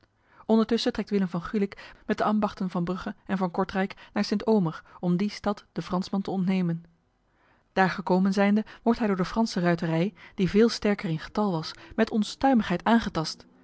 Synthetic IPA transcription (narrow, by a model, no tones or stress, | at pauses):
ʔɔndəɹtɵsətrɛk̚tʋɪləmvɑnχylɪkmɛtdəʔɑmbɑχtənvɑnbrɵχəɛnvɑnkɔɹtrɛjknaːɹsɪntowməɹɔmdistɑtd̥əfrɑnsmɑntəɔntnejmən | d̥aːɹχəkowmənzɛjndəʋɔɹtɦɛjdʊːɹdəfrɑnsərœɥtərɛjd̥ivɪːlˠstɛɹkərɪnχə̥tɑlˠʋɑsmɛtɔnstœɥməχɦɛjtaːnχətɑst